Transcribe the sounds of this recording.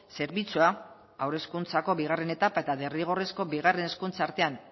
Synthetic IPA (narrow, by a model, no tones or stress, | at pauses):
se̞ɾβit͡sua | awɾe̞skunt͡sako̞βiɣ̞are̞ne̞t̪apae̞t̪aðe̞riɣ̞o̞re̞sko̞biɣare̞ne̞skunt͡saːɾt̪e̞an